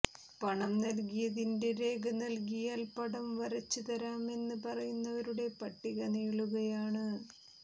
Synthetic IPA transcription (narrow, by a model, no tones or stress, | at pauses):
pɐɳɐmnɐlɡijɐðinde̞ɾe̞ːɡɐnɐlkijaːlpɐɽɐmʋɐɾɐt͡ɕːut̪ɐɾaːme̞nːɨpɐrɐjunːɐʋɐɾuɽe̞pɐʈːiɣɐneːɭuɣɐjaːɳɨ